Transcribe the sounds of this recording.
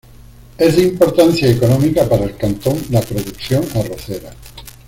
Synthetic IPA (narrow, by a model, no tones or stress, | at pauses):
ezðeimpo̞ɾt̪anθjaekonõmikapaɾaelkant̪õnd̪apɾoðukθjoŋaroθeɾa